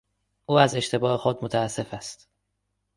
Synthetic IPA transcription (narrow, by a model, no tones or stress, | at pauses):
ʔuːæze̞ʃt̪e̞bɒːhe̞xod̪mot̪ʰæːsːe̞fæst̪